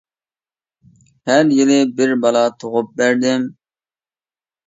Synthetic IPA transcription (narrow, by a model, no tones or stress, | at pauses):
hæɾjilɪbɪɾbɑlˠɑt̪ʰoʁʊp̚bæɾd̪ɪm